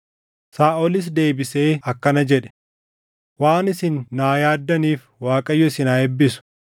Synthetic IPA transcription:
saːʔɔlɪs̬d̪e̞ːbɪse̞ːɐkːɐnɐd͡ʒɛᶑɛ̥ | waːnɪsɪnːaːjaːd̪ːɐniːf | waːkʼɐjːʊɪsɪnaːɛbːɪsʊ̥

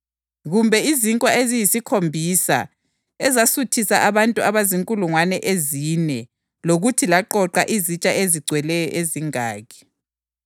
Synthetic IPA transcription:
ɣumbʱɛiziŋkʼwaezijisikʰombʱisa̰ | ɛzasutʰisaʔaβantʼuaβaziŋkʼuluŋwanɛʔezinɛ | loɣutʰilaǃɔǃa̰ʔizit͡ʃʼaʔeziɡ͡ǀʱwɛlɛjɔ̰ʔeziŋaːɣʰɛ̥

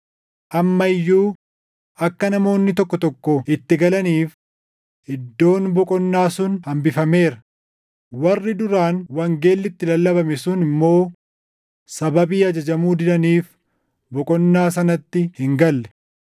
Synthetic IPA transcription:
ʔɐmːɐɪjːuː | ɐkːɐnɐmo̞ːnːɪt̪ɔkːɔt̪ɔkːɔɪt̪ːɪɡɐlɐniːf | ɪd̪ːo̞ːnbɔkʼɔnːaːsʊnhɐmbɪfɐme̞ːɾɐ | wɐrːɪd̪ʊɾaːnwɐŋɡe̞ːlːɪt̪ːɪlɐlːɐbɐmɛsʊnɪmːo̞ː | sɐbɐbiːɐd͡ʒɐd͡ʒɐmuːd̪ɪdɐniːf | bɔkʼɔnːaːs̬ɐnɐt̪ːɪhɪŋɡɐlːɛ̥

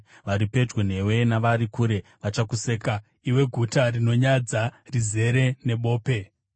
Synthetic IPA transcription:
ʋaɾipe̞d͡ʒwen̤e̞we̞naʋaɾikuːɾe̞ʋat͡ʃakuseːka | iwe̞ɡʱutarino̞ɲad͡zarize̞ɾe̞ne̞ɓo̞ːpe̞

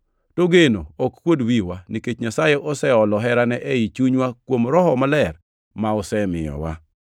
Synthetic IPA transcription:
toɡeno̰okkwodwiwaniket͡ʃɲasajeʔɔsɛɔlɔɦɛɾanɛʔɛit͡ʃuɲwakwomɾɔɦɔmalɛr | maɔsɛmɪ̰jɔ̰wa̰

